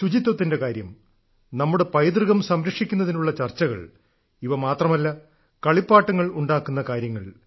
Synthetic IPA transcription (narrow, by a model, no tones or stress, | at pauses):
sud͡ʑit̪ːwɐt̪ːinde̞kaːɾjɐm | nɐmːuɽe̞pɐjd̪rɨɣɐmsɐmɾɐkʂikʲːun̪ːɐðinuɭːɐt͡ɕɐrt͡ɕːɐɣɐ̰ɭ | iʋɐmaːt̪rɐmɐlːɐ | kɐɭipːaːʈːɐŋːɐɭuɳɖaːkːunːɐkaːɾjɐŋːɐɭ